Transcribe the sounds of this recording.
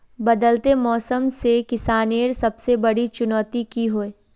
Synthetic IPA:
bɐd̪əlt̪emɔːsəmsekɪsaːneːɾsɐbsebɐɽit͡ʃʊnɔːt̪ikiɦoeː

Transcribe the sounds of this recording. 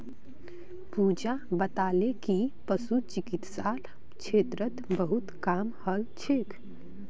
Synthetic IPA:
pud͡ʒabət̪alekipəsut͡ʃikit̪sal | kt͡ʃʰeːt̪ɾət̪bəɦut̪kamhəlt͡ʃʰekʰ

